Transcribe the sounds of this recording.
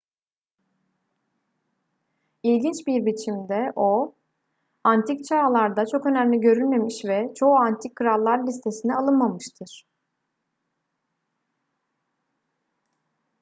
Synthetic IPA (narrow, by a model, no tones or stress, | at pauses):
ilʲɟint͡ʃbiɾbit͡ʃʰimd̪ɛʔo̞ | ant̪ʰict͡ʃʰaːlˠaɾd̪at͡ʃʰo̞kø̞næmlʲiɟø̞ɾylʲme̞miʃvɛt͡ʃʰo̞uant̪ʰik̚kʰːɯɾalˠːaɾlʲist̪ʰe̞sinɛalˠɯnmamɯʃt̪ʰɯɾ̥